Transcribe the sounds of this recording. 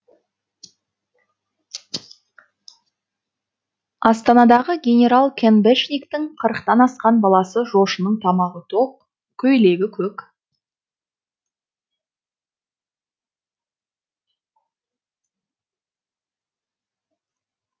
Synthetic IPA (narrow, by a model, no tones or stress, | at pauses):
ɑst̪ɑnɑd̪ɑʁəɡʲe̞nʲe̞ɾalˠkʲʰenbeʃnʲikt̪ɪŋqʰəɾəqt̪ɑnɑsqɑnbɑlˠɑsəʒo̞ʃənəɴt̪ʰɑmɑʁət̪ʰop̚ | kʲʰɵjle̞ɡʲɪkʲʰɵk